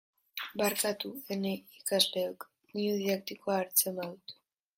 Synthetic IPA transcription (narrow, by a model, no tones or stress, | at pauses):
baɾkat̪uene̞ikazle̞ok | niuðiðakt̪iko̞aːɾt͡se̞maðut̪